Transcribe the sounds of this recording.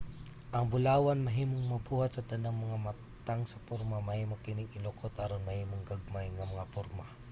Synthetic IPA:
ʔɐŋbʊlaːwanmɐɦiːmoŋmɐbuhat̪̚sɐt̪ɐnaŋmɐŋama | t̪aŋsɐpʊɾmamɐhiːmokɪnɪŋɪlokot̪ɐɾonmɐhiːmoŋɡaɡ̚majŋɐmɐŋapʊɾma

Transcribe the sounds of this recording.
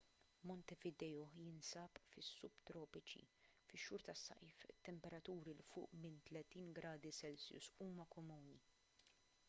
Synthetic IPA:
mɔnt̪ɛvɪd̪ɛjɔjɪnsɐpfɪsːuːbt̪ɾɔːpɪt͡ʃḭfɪʃːʊːɾt̪ɐsːɐ̰jfɪt̪ːɛmpɛɾɐt̪uːɾilfʊ̰ːʔmɪnt̪lɛt̪iːnɡɾɐːd̪isɛlsjʊ̰suːmɐkɔmuːni

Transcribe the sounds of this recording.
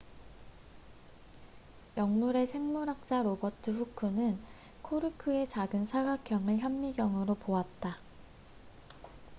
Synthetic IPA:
jʌŋmuɾe̞sʰe̞ŋmuɾak̚t͡ɕ͈aɾobʌtʰɯɸukʰɯnɯn | kʰoɾɯkʰɯe̞t͡ɕaɡɯnsʰaɡak͈ʰjʌŋɯɭçjʌmːiɡjʌŋɯɾopoat̚t͈a

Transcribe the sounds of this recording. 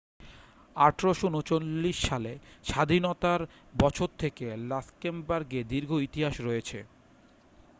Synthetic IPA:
aʈʰɾoʃonot͡ɕolːiʃːaleʃad̪ʱinot̪aɾ | bɔt͡ɕʰoɾt̪ʰekelaskembaɾɡed̪iɾɡʱoit̪iɦaʃɾɔet͡ɕʰḛ

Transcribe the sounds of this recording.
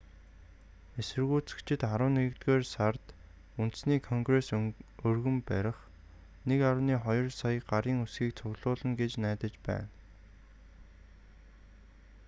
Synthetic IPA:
esɘ̆rɣuːt͡sɘ̥̆kt͡ɕʰɪ̆t̪χaɾʊːnːeɣɘ̆kt̪ɡeːrsart̪ | unt̪̆sniːkʰɔŋɡresɵrɣɵ̆mpæɾʲɪ̆χ | nekaɾʊniːχɔjɞ̆rsajə̆ɢaɾiːŋusɡiːk̚t͡sʰʊɣɮʊːɮə̆ŋɡet͡ɕnæːt̪ə̆t͡ɕpæ̰ːn

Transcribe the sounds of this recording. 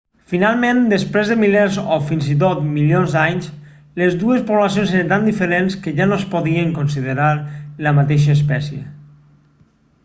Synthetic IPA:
finalˠmẽnd̪əspɾezðəmilɛɾzofinzit̪̬ot̪miljonzd̪aɲs | lezðuespoβlasjonseɾənt̪and̪ifəɾenskəʒanospoðiəŋkonsiðəɾaɾləmat̪eʃ̬əspɛsjḛ

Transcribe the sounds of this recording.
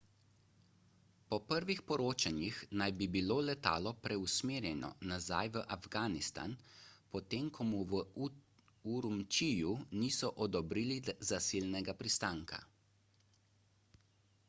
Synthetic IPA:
pɔpəɾʋixpɔɾoːt͡ʃanjixnajbibiloːlɛt̪a̰ːlɔpɾɛusmeːɾjɛnɔ̰naza̰jʋəʔavɡaːnist̪a̰npɔt̪emkʰɔmuʋə | uɾumt͡ʃijuniːsɔʔɔd̪ɔbɾiːlizasiːlnɛɡapɾist̪aːŋkʰa̰

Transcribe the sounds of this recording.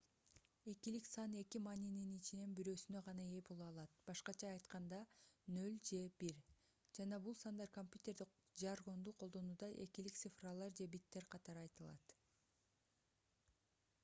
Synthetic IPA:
e̞kiliksɑne̞kimɑnʲininit͡ʃine̞nbiɾø̞ːsynø̞ʁɑnɑe̞bo̞lˠuɑlˠɑt̪̚b̥ɑʃqɑt͡ʃʰɑːjt̪qɑnd̪ɑnø̞lʲd͡ʒe̞biɾ | d͡ʒɑnɑbulˠsɑnd̪ɑɾkomʲpʲjut̪ʲe̞rd̪i | d͡ʒɑrʁo̞nd̪uːqʰolˠd̪o̞nuːd̪ɑʔe̞kilik̚t̪sɨfralˠɑɾd͡ʒe̞bit̪ːe̞ɾqʰɑt̪ɑɾɯɑjt̪ɯlˠɑ̰t̪

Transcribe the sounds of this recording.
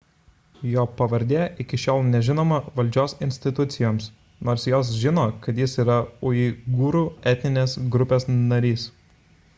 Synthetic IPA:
joːpɐʋɐɾʲd̪ʲeːʔɪkʲɪʃʲoːlˠnʲɛʒʲɪnoːmɐʋɐlʲd͡ʒʲoːsɪnʲsʲt̪ʲɪt̪ʊt̪sʲɪjoːms | noːɾsjoːs̬ʒʲɪnoːkɐt̪jɪsiːɾɐʊiɡuːɾuːɛt̪ʲnʲɪnʲeːsɡɾʊpʲeːsnɐɾʲiːs

